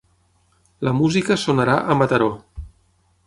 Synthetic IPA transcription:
ləmuzikəsonəɾaʔəmət̪əɾo

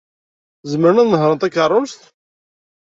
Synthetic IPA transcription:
zəmːəɾənæðnəɦɾˤənt̪ækːərˤːʊst̪

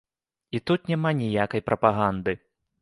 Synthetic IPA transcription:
it̪ut̪̚nʲamanʲijakɐjpɾʔɐpaɣand̪ɨ

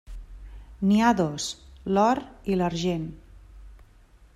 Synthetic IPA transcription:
niaðoslɔɾiləɾʒen

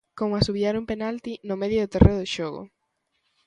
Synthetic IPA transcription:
koŋasuβjaɾumpenalt̪inomeðjoðot̪erʔeðʊʃoɣʊ̰

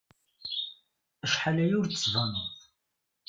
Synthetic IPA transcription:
əʃħalæjʊɾt͡sə̥svənʊðˤ

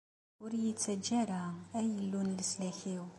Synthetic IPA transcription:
ʊɾjit͡sːæd͡ʒːæɾaæjəlːunləslæçiw

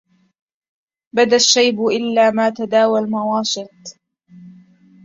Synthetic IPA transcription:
bad̪aʃːajbʊʔɪlːaːmaːt̪ad̪aːwalmawaːʃɪt̪̚

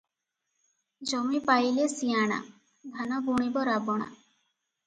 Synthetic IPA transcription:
d͡ʒɔmipajlesiaɽ̃a̰ | bʱanɔɡuɽ̃ibɔɾabɔɽ̃a̰

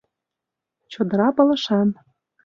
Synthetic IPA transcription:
t͡ɕod̪ə̆ɾɑpɤ̆lɤ̆ʃɑn

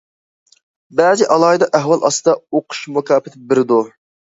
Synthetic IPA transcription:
bæːzɪʔɑlˠɑːjd̪ɑʔæɦwɑlˠʔɑ̰st̪ɨd̪ɑoqʰʊ̥ʃmukʲɑːpɪt̪ʰɪbɪɾɪd̪u

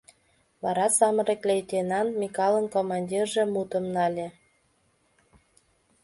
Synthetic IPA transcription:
βɑɾɑsɑmɤ̆ɾeklʲejt̪enɑnmʲikɑlənkomɑnʲdʲirʒĕmut̪ə̆mnɑlʲĕ

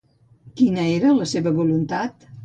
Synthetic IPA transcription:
kinəeɾələseβəβulunt̪at̪

